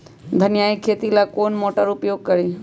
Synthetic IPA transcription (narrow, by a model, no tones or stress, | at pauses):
d̪ʱənjaikʰeːt̪ilakoːnmoːʈəɾʊpjoːɡ̚kəɾe